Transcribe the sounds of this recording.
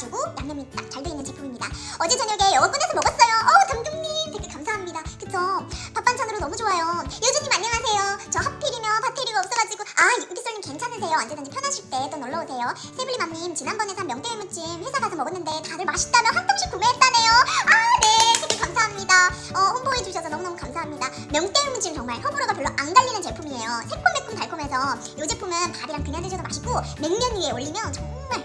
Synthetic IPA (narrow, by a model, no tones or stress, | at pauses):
t͡ɕiɡojaŋɲʌmit͈ak̚t͡ɕaɭdɯinːɯnt͡ɕipʰɯmiɲidaʌd͡ʑet͡ɕʌɲʌɡe̞jʌɡʌp͈une̞sʰʌmʌɡʌs͈ʌjoʔʌtamduŋɲimteɡʰekamsʰaɦamɲidakɯtʰʌpak̚p͈ant͡ɕʰanɯɾonʌmud͡ʑoajojed͡ʑuɲimaɲːʌŋɦasʰe̞jot͡ɕʌɦapʰiɾimjʌnpʰatʰeɾiɡaʌp̚s͈ʌɡad͡ʑiɡoaiuɡis͈ʌɭɲimke̞nt͡ɕʰanes̬ʰe̞joand͡ʑedɯnd͡ʑipʰjʌnɦaɕʰiɭt͈e̞t͈onoɭːʌosʰe̞jo | sʰebɯɭːimamɲimt͡ɕinɦanbʌnesʰamjʌŋt͈eemut͡ɕ͈imɸesʰaɡasʰʌmʌɡɯnːɯnde̞tadɯɭmaɕʰi̥t͈amjʌnhant͈oŋɕ͈ʰikumeɦet̚t͈ane̞joanesʰekʰekamsʰaɦamɲida | ʌhonboed͡ʑuɕʰʌsʰʌnʌmunʌmukamsʰaɦamɲida | mjʌŋt͈eɯmut͡ɕ͈imt͡ɕʌŋmaɭsʰʌbuɾoɡapjʌɭːoʔaŋɡaʎːinɯnt͡ɕe̞pʰumie̞josʰek͈ʰombek̚p͈ʰumpaɭkʰume̞sʰʌ | jod͡ʑepʰumɯnpaɾiɾaŋtɯŋjanded͡ʑʌdomaɕʰiɡome̞ŋmjʌɲie̞oʎːimjʌnt͡ɕʌŋmaɭ